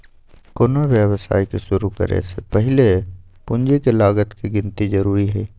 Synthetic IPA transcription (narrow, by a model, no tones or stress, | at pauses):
kʊnoʋjəwsa̰ːikeʃʊɾukə̰ɾḛsepɛɦɪlepʊ̃nd͡ʒekelaːɡət̪kiɡɪ̃nt̪izɐɾuːɾiɦɛː